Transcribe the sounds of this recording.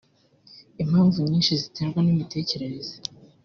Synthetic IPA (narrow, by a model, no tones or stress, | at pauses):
em̥aːnzuɲɲiːnʃizitʰeːŋɡwanimite̞ːce̞ɾeɾeze